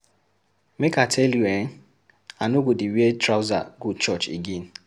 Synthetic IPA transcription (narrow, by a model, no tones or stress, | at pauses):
mekatʰɛljueŋ̩ | anʊɡʷudɪwietɾaʊza̰ɡut͡ʃɔt͡ʃḭɡin̩